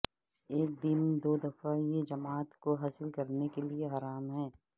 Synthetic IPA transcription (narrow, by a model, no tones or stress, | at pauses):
eːk̚d̪ɪnd̪oːd̪ɐfajed͡ʒɐmaːt̪koɦaːsɪlkɐɾnekelieɦɐɾaːmɦɛː